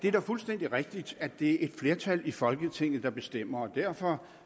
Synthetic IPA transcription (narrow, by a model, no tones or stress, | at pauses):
d̥e̝d̥ɑ̈fulsd̥en̰d̥iʁɛɡ̥̚d̥id̥æd̥e̝æɐe̝d̥fle̝ɐt͡sʰælifɒ̽lɡ̥ət͡sʰe̝ŋ̰ð̩ˠd̥ɑ̈b̥e̝sd̥em̰ɐɒd̥æɐ̰fɒ̽